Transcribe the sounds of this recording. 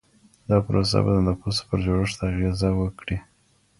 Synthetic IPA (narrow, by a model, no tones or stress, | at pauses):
d̪ɑpəɾos̬a̰ba̰d̪ənəpospəɾd͡ʒoɽəʂt̪aːɣezawəkɽi